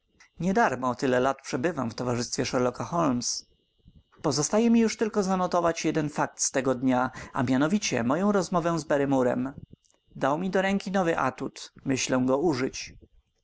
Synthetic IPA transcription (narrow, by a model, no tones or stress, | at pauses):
ɲɛd̪aɾmɔt̪ɘlɛlat̪pʂɛbɘva̰mft̪ɔvaʐɘst̪fʲjɛʂaɾlɔkaxɔlms | pɔzɔst̪ajɛmʲijuʂt̪ɘlkɔzanɔt̪ɔvat͡ɕjɛd̪ɛnfak̚t̪st̪ɛɡɔd̪ɲaa̰mʲjanɔvʲit͡ɕɛ̰mɔjɔ̃w̃ɾɔzmɔvɛw̃zbɛɾɘmuɾɛ̰m | d̪awmʲid̪ɔɾɛŋkʲinɔvɘʔa̰t̪ut̪mɘɕlɛ̃ɡɔuʐɘt͡ɕ